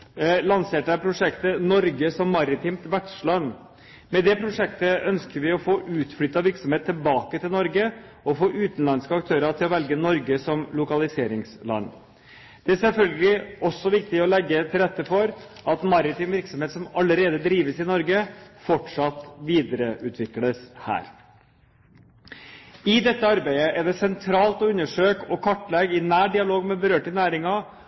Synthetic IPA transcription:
lɑnseːʈəæɾpʰɾʊʂɛkt̪ənɔɾɡəsɔmːɑɾɪt̪ʰiːmt̪ʋæʈʂlɑnː | mɛd̪ɛpʰɾʊʂɛkt̪əœnskəɾʋɪɔfoːʔʉːt̪flʏt̪ːɑʋɪɾksɔmheːt̪ʰːɪlbɑːkət̪ɪlnɔɾɡə | ɔfoːʔʉːt̪n̩lɑnskəɑkt̪ʰøːɾət̪ɪlɔʋɛlɡənɔɾɡəsɔmlʊkɑlɪseːɾɪŋslɑ̰nː | d̪̥ɛæɾsɛlfœlɡəlɪɔsːɔʋɪk̚t̪ɪɔlɛɡːət̪ʰɪlɾɛt̪ːəfɔɾʔɑt̪mɑɾɪt̪yːmʋɪɾksɔmheːt̪sɔmɑləɾeːd̪əd̪ɾiːʋəsɪnɔɾɡəfɔʈʂɑt̪ʋiːd̪əɾəʔʉːt̪ʰʋɪkləshæ̰ːɾ | ɪd̪ɛt̪ːəɑɾbæɪəʔɛɖ̪ɛsɛnt̪ʰɾɑːlt̪ɔʉnːəʂøːkɔkʰɑʈːlɛɡɪnæːɖɪɑloːɡmɛbəɾøːʈənæːɾɪŋɑ

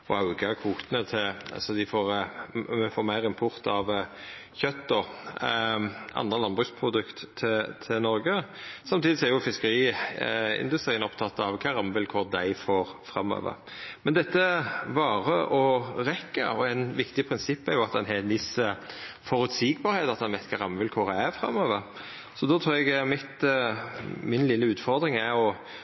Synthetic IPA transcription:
ɔɑʉɡɑkʰuːt̪ənət̪ʰɪl̰sɔd̪ɪfoːɾ | foːmæɪɾɪmpʰʊɾt̪ɑʋçœt̪ːɔ | ɑ̰nd̪ʁəlɑnbʁʉːspʰɾʊd̪ʉkt̪ʰːɪt̪ʰɪnɔɾɡəsɑmt̪iːd̪ɪsɔæɾjʊfɪskəɾiː | ɪ̰nd̪ʉst̪ɾiːənɔpt̪ʰɑt̪ːɑʋkʰɑɾɑmʋɪlkʰʊʁd̪æɪfoːɾfɾɑmːø̰ːʋə̰ɾ | mɛnd̪ɛt̪ːəbɑːʁəʔɔɾɛkːə̰ɔæɪnʋɪkt̪ɪpʰɾɪnsɪpːæɾjʊɑt̪d̪ɛnɦɛnʋɪsəfɔɾʉt̪siːɡbɑːɾheːt̪ɑt̪̚d̪ɛnʋɛɪt̪kʰɑːɾɑmʋʉlkʰʊɾææfɾʁɑ̰møːʋəɾ | sɔd̪ɔt̪ʰɾuːɛɡmɪt̪ | mɪnlɪlːəʉːt̪fɔʁd̪ɾɪŋæɾɔ

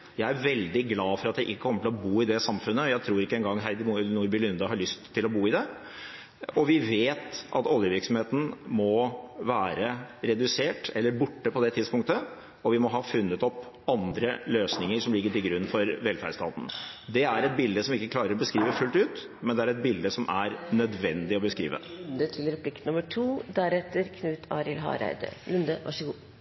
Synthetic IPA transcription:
jæɪæɾʋɛld̪ɪɡlɑːfɔɾɑt̪̚d̪ɛʔɪkːəkʰɔmːəʈʰɪlɔbuːɪd̪ɛsɑmfʉnːəɔjæɪt̪ʰɾuːɾɪkːəɛŋɡɑŋːɦænuːɾbɪlʏnd̪ɑɦɑɭʏst̪ʰːɪlɔbuːɪd̪ɛ | ɔʋɪʋeːt̪ʔɑ̰t̪ɔljəʋɪɾksɔmheːt̪n̩mɔʋæːɾəɾɛd̪ʉseːʈɛlːəɾbʊʈːəpɔd̪ɛt̪ʰɪd̪spʊŋt̪ə | ɔʋɪmɔɦɑːfʉnːət̪ɔp | ɑnd̪ɾəløːsnɪŋəɾʂɔmlɪɡːəʈɪlɡɾʉnːfɔɾʋɛlfæ̰ɖst̪ʰɑ̰ːt̪n̩d̪ɛæɾɛt̪̚bɪld̪əsɔmɪkːəkʰlɑːɾəɾɔbəskɾiːʋəfʉlt̪ʉːt̪ | mɛnd̪ɛæɾɛt̪̚bɪld̪əsɔmʔæɾnœd̪ʋɛnd̪ɪɔbəskɾḭːʋə̰nd̪ət̪ʰɪlɾɛpʰlɪk̪ʊməʈʰuːd̪æɾɛt̪ːəɾkʰnʉːt̪ʰɑ̰ːɾɪlɦɑ̰ɾæ̰ɪd̪ə̰lʉnd̪əʔɑ̰ʂəɡuː

